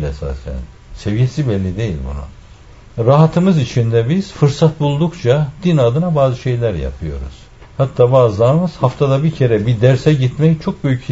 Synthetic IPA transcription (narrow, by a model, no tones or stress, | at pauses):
lḛsa̰sja̰n | se̞vijesibɛlʲːid̪e̞jḭlʲbṵnṵ | ɾaɦat̪ʰɯmɯzit͡ʃʰind̪ɛbiz̥fɯɾsat̪̚bulˠd̪ukt͡ʃʰad̪̥inad̪ɯnabaːzɯʃe̞jlʲæɾja̰pʰɯjo̞̰ɾṵz̥ | hat̪ʰːaːbaːzlˠaɾɯmɯz̥haft̪ʰad̪abicʰe̞ɾɛbid̪æɾsɛɟit̪mɛjt͡ʃʰo̞k̚bøjyc